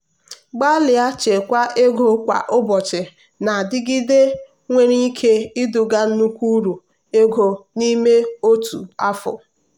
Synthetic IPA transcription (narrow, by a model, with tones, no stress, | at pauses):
ɡ͡ba˦lɪ˨a˦t͡ʃe˨kʷa˦ʔe˦ɡo˨˦kʷa̰˨ʔʊ˦bɔ˨t͡ʃɪ˨ | na˨dɪ˦ɡɪ˦de˦ | ŋʷe˦ɾi˦kʰe˦ɪ˦dʊ˨ɡa˦n̩˦nu˦kʷu˦ɾu˨ | e˦ɡo˨ni˦me˦o˦tṵ˨a˦fʊ̰˨